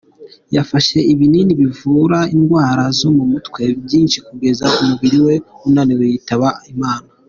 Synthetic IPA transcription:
jafaʃe̞iβininiβivuɾainɡwaːɾazomumutkwe̞b̚jiːnʃikuɡe̞zakumuɡiɾiwe̞unaːniwejitaβaimaːna

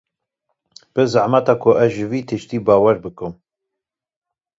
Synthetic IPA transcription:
b̥ɨzaʕmɛt̪ɑːkʰʊʔɛʒɨviːt̪ʰɨʃt̪iːbɑːwɛɾbɨkɨm

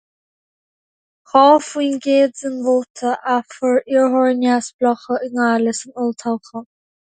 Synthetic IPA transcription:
xɔːfwiːnɡeːdzɪnvoːtʰəʔafəɹɪɹɦɔɹɪnjasb̥lɔxəʔɪŋaːlɪsɪnʊlt̪ʰalˠxə

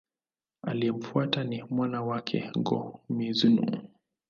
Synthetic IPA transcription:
a̰liɛm̩fuatanimwanawakʰɛ̰ŋɡɔ̰mizunṵ

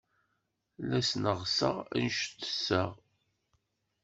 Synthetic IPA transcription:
læsnəʁsə̰ʁæ̰nʃt̪ːə̥sːəʁ

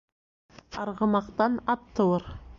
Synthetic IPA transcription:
ɑɾʁəmɑqt̪ɑnɑt̪ːəwəɾ

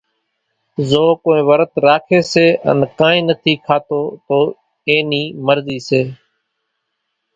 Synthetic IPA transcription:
zoːkoːĩːʋəɾət̪ɾaːkʰeːseːʔə̰nkãːĩːnət̪ʰiːkʰaːt̪oːt̪oː | eːniːməɾziːseː

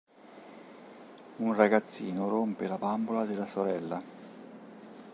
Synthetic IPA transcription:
unraɡat̪sːiːnorompelabambolad̪ɪlːasoɾɛlːa

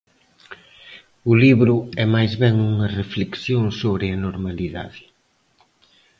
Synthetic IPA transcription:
ʊliβɾʊɛmajzβɛŋuŋɐrefleksjoŋsoβɾɪɐnoɾmaliða̰ðɪ

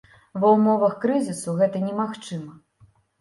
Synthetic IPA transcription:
bɐwmɔvɐxkɾɨzʲisuɣɛt̪ɐnʲɛmaxt͡ʂɨmɐ

